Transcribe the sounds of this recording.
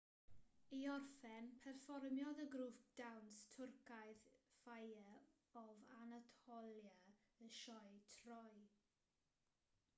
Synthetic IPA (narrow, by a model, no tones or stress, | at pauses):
iɔrfɛnpʰɛrfɔrmjɔðəɡɾuːfd̥awnstʰʊrkʰajðfajə | ɔvanatʰɔlja | əʃɔjtʰrɔj